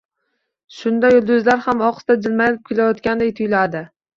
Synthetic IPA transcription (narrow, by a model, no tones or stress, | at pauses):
ʃʊnd̪ajʊlˠd̪ʊzlaɾhamɒqst̪ad͡ʒɪlmajlɪp̚kʲʰɪlajɒt̪kʲand̪ajt̪ʰʊjlad̪ɪ